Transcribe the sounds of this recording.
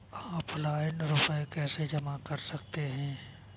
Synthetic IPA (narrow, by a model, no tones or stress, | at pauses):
aːplaːɪnɾʊpəekɛːsed͡ʒɐmakɐɾsɐk̚t̪eɦɛ̃ː